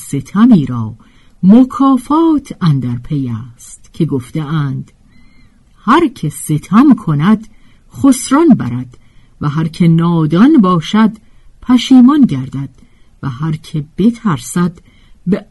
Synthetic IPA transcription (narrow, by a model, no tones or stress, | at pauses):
se̞t̪ʰæmiːɾɒː | mokʰɒːfɒːt̪ʰænd̪æɾpʰejæːst̪cʰe̞ɡoft̪eæːnd̪̥ | hæɾcʰe̞se̞t̪ʰæmkʰonæd̪̥ | χosɾɒnbæɾæd̪̥ | væɦæɾcʰe̞nɒːd̪ɒnbɒːʃæd̪ | pʰæʃiːmɒnɟæɾd̪æd̪̥ | væhæɾcʰe̞b̥e̞t̪ʰæɾsæd̪ | be